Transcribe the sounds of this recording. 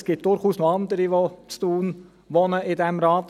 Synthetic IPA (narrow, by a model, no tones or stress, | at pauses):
sɡ̥ɪt̚d̥ʊɾχuːsnoɑnd̪əɾiʋot͡stuːn | ʋonəɪdɛmɾɑːt